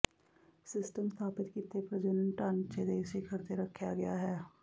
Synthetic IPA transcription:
sɪsʈəmst̪ʰaːpɪt̪kit̪ːepɾəd͡ʒənəɳʈant͡ʃeːd̪eːsikʰəɾt̪eɾəkʰːjaːɡɪjaːɦɛː

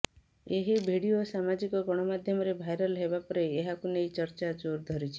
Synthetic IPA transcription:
eɦibʱeɽiosamad͡ʒikɔɡɔɽ̃ɔmad̪ʱjɔmɔɾebʱajɾɔlɦebapɔɾeːɦakunejt͡ʃəɾt͡ʃad͡ʒoɾd̪ʱɔɾit͡ʃʰi̥

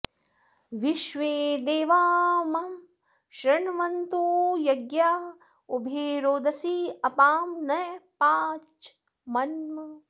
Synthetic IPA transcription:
ʋiʃʋeːd̪eːʋaːmɐm | ʃɾɐɳʋɐnt̪ujɐɡjaː | ubʱeːɾoːd̪ɐsiɐpaːmnɐjpaːt͡ʃ | mɐnmɐ

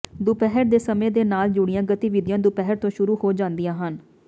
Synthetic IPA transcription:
d̪ʊpɛɦəɾd̪eːsəmẽːd̪eːnaːld͡ʒʊɽ̃ɪjãːɡət̪iːʋɪd̪ɪjãːd̪ʊpɛɦəɾt̪õːʃʊɾuːhoːd͡ʒãːnd̪ɪjãːɦən

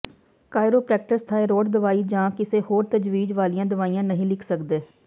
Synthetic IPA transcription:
kaːɪɾoːpɾɛːk̚ʈəst̪ʰaːeːɾoːɖd̪əʋaːiːd͡ʒãːkɪseːhoːɾt̪əd͡ʒʋiːd͡ʒʋaːlijãːd̪əʋaːiːãːnəɦĩːlɪkʰsəkd̪eː

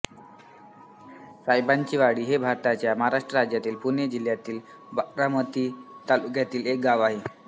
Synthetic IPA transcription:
sajbant͡ɕiʋaɽiːɦebʱaɾt̪at͡ɕjamaɦaɾaʂʈɾəɾad͡ʑjat̪iːlpuɾnjəd͡ʑil̤jat̪iːl | baɾamət̪iːt̪alukjat̪iːlek̚ɡaʋaɦe

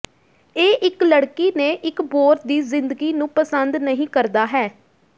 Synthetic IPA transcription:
eːʔɪkləɽkiːneːʔɪkboːɾt̪̚d̪iːzɪnd̪əɡiːnũːpəsənd̪nəɦĩːkəɾd̪aːɦɛː

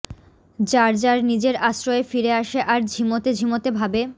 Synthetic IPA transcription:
d͡ʑaɾd͡ʑaɾnid͡ʑeɾaʃɾoefiɾeaʃeʔaɾd͡ʑʱimot̪ed͡ʑʱimot̪ebʱabe

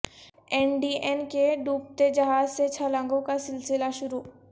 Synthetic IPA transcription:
enɖienkeɖuːp̚t̪ed͡ʒɐɦaːzset͡ʃʰəlãŋɡõkasɪlsɪlaʃʊɾu

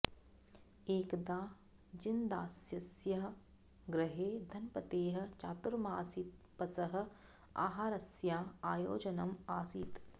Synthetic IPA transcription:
eːkd̪aː | d͡ʒind̪aːsjɐsjɐɦ̆ | ɡɾɪɦeːd̪ʱɐnpɐt̪eːɦɐ̆t͡ʃaːt̪uɾmaːsit̪ | pɐsɐɦɐ̆ | a̰ːɦaːɾɐsjaːaːjo̰ːd͡ʒɐnɐmaːsit̪

